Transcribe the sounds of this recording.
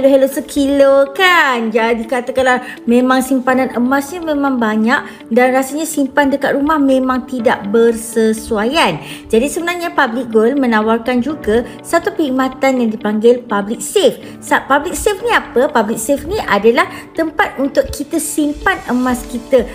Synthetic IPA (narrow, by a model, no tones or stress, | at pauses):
loɦəlosəkʰilokand͡ʒadikat̪akala | mẽmãŋsimpanãnʔəmãsɲamẽmãŋbaɲaʔ̚ | danrasaɲasimpandəkat̪̚ɾumahmẽmãŋt̪idaʔbərsəsuajand͡ʒadisəbənarɲapablik̚ɡolmə̃nawarkand͡ʒuɡa | sat̪upəimat̪anjaŋdipaŋɡɪlpablɪk̚sef | sapablɪk̚sefnĩapəpablik̚sefnĩʔadalaht̪əmpat̪̚unt̪ʊkkːit̪əsimpanəmãskit̪a